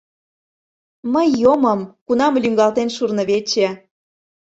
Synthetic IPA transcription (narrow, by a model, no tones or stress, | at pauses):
məjːoməmkunɑmlʲyŋɡɑlt̪enʃurnɤ̆βet͡ɕĕ